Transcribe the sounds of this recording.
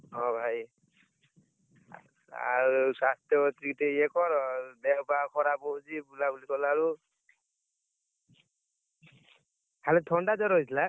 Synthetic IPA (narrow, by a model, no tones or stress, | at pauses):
ɔ̃bʱaj | a̰ɾusast̪jɔɔt̪ɾikiteekɔɾɔdɛwbakʰɔɾabɔd͡ʒibulabulikɔlaɾu | halɛtʰɔɳɖad͡ʒɔɾɔjtʰila